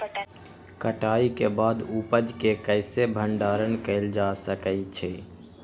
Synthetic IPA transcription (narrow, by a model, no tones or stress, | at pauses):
kəʈaːikebaːd̪upəd͡ʒkekəɪsebʱəɳɖaːɾənkəɪld͡ʒasəkəit͡ʃʰeː